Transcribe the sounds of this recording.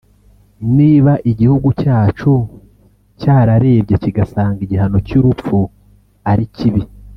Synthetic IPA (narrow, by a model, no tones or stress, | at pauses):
niːβaʔiɟihuɡucaːt͡ʃu | caːɾaɾe̞ːbjeciɡasaːŋɡiɟiɦano̞cuɾup͡fu | aɾiciβi